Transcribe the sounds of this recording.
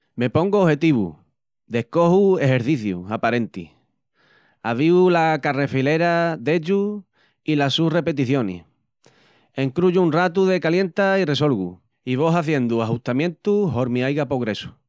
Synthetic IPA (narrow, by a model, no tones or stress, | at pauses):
me̞po̞ŋɡoohe̞t̪iβṵ | d̪e̞hko̞hue̞ɦe̞ɾθiθjṵapaɾẽ̞nt̪ḭ | aβiulakare̞file̞ɾad̪e̞ʎu | ilasure̞pe̞t̪̬iθjo̞nḭh | e̞ŋkɾuʝuːnrat̪uðe̞kalje̞nt̪aire̞s̬o̞lɣṵ | iβ̞o̞saθje̞nd̪uaɦuht̪amjẽ̞nt̪uɦoɾmiajɣapoɣɾe̞su̥